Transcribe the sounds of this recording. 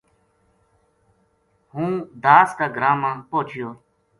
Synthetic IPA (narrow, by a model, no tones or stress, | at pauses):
hũːd̪aːskaːɡɾaːmãːpoːt͡ʃʰɪjoː